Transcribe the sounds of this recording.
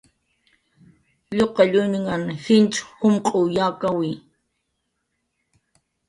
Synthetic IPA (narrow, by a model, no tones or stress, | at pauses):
ʎoqɑʎuːniŋanxint͡ʃxʊmqʼojaːkawi